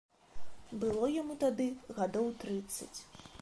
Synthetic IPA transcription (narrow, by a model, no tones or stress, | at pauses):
bɨlˠɔjamut̪ad̪ɨɣad̪ɔwt̪ɾɨt̪sːɐ̰t͡sʲ